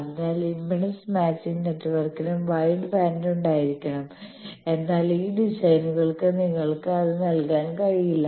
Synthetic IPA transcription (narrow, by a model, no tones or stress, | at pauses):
ɐnːaːlimbɐɳɐsmaːt͡ɕːinneʈːʋɐrkːinɨmʋɐjɳɖɨbaːnluɳɖaːjiɾikʲːɐɳɐme̞nːaːliːɖisɐjnuɣɐɭkɨniŋːɐɭkɨɐðɨnɐlkaːnkɐɻijilːɐ